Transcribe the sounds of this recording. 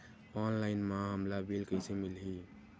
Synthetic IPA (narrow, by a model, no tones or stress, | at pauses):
ɔnlaɪnmãɦəmlabelkəɪsemilɦi